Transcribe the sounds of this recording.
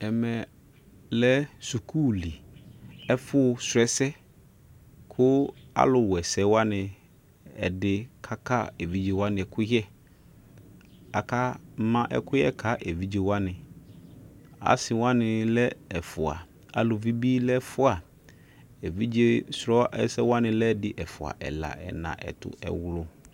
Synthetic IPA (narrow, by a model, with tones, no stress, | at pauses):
ɛ˨mɛ˨ | lɛ˦su˨kʰuː˦li˨ | ɛ˦fʊ˦˨sɛ˦sɛ˦ | kʰʊ˦a̰˦lʊ˨wɛ˨sɛ˨˦wa˦nɪ̃˨ | ɛ̰˨dɪ˨kʰa˦kʰa˦ɛ˨vi˦d͡ʒe˨wa˦nɪ̃˨ɛ˨kʰʊ˦jɛ˦ | a˨kʰa˦mã˦ʔɛ̰˨kʊ˦jɛ˦kʰa˦ʔɛ˨vi˦d͡ʒe˨wa˦nɪ̃˨ | a̰˨sɪ˨wã˦nɪ̃˨lɛ˦ɛ˨fʊ˨a̰˨ | a̰˨lʊ˨vi˦bi˦lɛ˦fʊ˦a˨ | ɛ˨vi˦d͡ʒe˦sɾɔ˦ɛ̰˦sɛ˦wa˦nɪ̃˨lɛ˦dɪ˨ʔɛ˨fʊ˨a̰˨ʔɛ̰˨la̰˨ɛ̰˨nã̰˨ʔɛ̰˨tʊ̰˨ɛ̰˨wlʊ˦